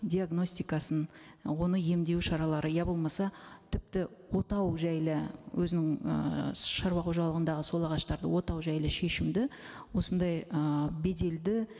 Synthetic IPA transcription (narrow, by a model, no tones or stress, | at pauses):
d̪iaɡno̞sʲt̪ijkɑsənwo̞nəje̞md̪e̞wʃɑɾɑlˠɑɾʔəjæbo̞lˠmɑsɑt̪ʰɪp̚t̪ɪwo̞t̪ɑwʒæjlɪwʔɵzɪnɪŋə̰ʃɑɾwɑquʒɑlˠəʁənd̪ɑʁəso̞lˠɑʁɑʃt̪ɑɾd̪ə̰wo̞t̪ɑwʒæjlɪʃe̞ʃɪmd̪ɪ | wo̞sənd̪ɑjəbe̞d̪e̞ld̪ɪ